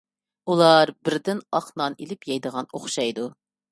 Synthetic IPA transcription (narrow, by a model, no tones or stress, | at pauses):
ulˠɑɾbɪɾd̪ɪnɑqnɑnelɪpjɑjd̪əʁɑnoχʃɑjd̪u